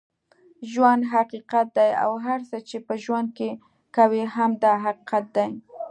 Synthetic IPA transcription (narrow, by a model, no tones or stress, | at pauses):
ʒwand̪ɦaqiqat̪̚d̪aja̰wɦaɾsət͡ʃepəʒwand̪̚ke | kaweɦamd̪ɑɦaqi̥qat̪̚d̪aj